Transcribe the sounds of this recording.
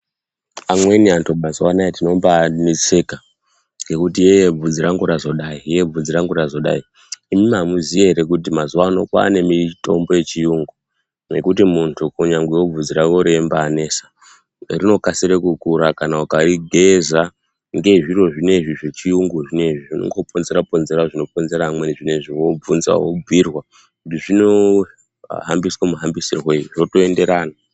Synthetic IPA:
amwe̞niantʰumazuwanaetino̞mbanit͡seka | ɡe̞kutijejeb͡vud͡ziɾaŋɡuɾazo̞ɗaije̞b͡vud͡ziɾaŋɡuɾazo̞ɗa̰i | imimamuzijeɦɾekutimazuwano̞̰kwa̰ːne̞mito̞mbo̞je̞t͡ʃijuŋɡu | ne̞kutimuntʰukuɲaŋɡwejob͡vud͡ziɾakoɾembaːne̞ːsḁ | rino̞kasiɾekukuɾakanawukariɡʱe̞za | ŋɡe̞ʐiro̞ʐine̞ʐiʐet͡ʃijuŋɡuʐine̞ʐiʐino̞̰ŋɡopo̞nze̞ɾapo̞nze̞ɾaʐino̞p̚o̞nzeɾamweniʐine̞ʐiwo̞b͡vunza̰wo̰b͡virwa | kutiʐino | ɦa̰mbiswamuɦambisirweuʐotoende̞ɾaːna

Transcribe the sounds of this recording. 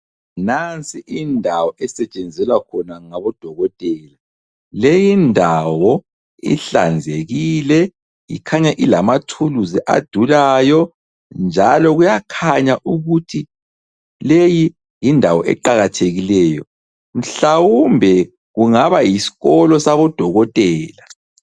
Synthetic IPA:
nant͡sʼiʔindʱawɔʔɛsɛt͡ʃʼend͡zʱɛlwakʰɔnaŋaβɔd̥ʱɔɣɔtʼɛːla | lejindʱawɔ | ḭɬa̰nd͡zʱeɣilɛ | jḭkʰaɲaʔilamatʰuluzɛʔa̰d̥ʱulajɔ | nd͡ʒʱalɔɣujakʰaɲaʔuɣutʰi | leji | jindʱawɔʔɛ̰ǃaɣatʰeɣilɛːjɔ | m̩ɬawumbʱɛ | ɣuŋaβajisi̥ɣɔlɔsaβɔd̥ʱɔɣɔtʼɛːla

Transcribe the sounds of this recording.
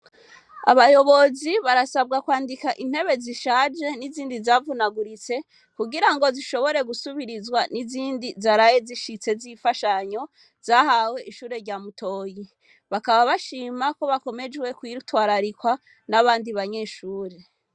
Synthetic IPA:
a̰βajo̞βo̞ziβaɾasabɡakwaːndikaʔin̥he̞βe̞ziʃaːd͡ʒe̞niziːndizaːvunaɡuɾit͡se̞ | kuɡiɾaŋɡo̞ziʃo̞βo̞ɾe̞ɡusuβiɾizwaniziːndizaɾajeziʃit͡se̞zifaʃaɲo̞ | z̥aɦawe̞ʔiʃuːɾe̞ɾɟaːmutʰo̞ːji | βakaβaβaʃiːmako̞βako̞me̞d͡ʒwe̞kwiɾutwaːɾaɾikwa | naβaːndiβaɲe̞ːʃuːɾe

